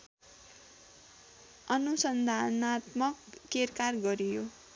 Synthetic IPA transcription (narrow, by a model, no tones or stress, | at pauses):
ʌnusʌnd̪ʱanat̪mʌkːerkarɡʌɾijo